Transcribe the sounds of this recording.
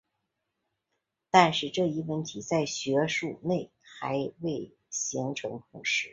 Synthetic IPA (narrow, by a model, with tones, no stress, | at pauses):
t̪a˥˧nʂɻ̩˥˧ʈ͡ʂɤ˥˧i˥˩wə˧˥˩nt̪ʰi˨˩t͡sa˥˩ɪɕɥɛ˧˥ʂu˥˧ne˥˩ɪ | xa˧˥ɪwe˥˩ɪ | ɕi˧˥ŋʈ͡ʂʰɤ˧˥ŋp̪ʰʊ˧˥˩ŋʂɻ̩˥˩˦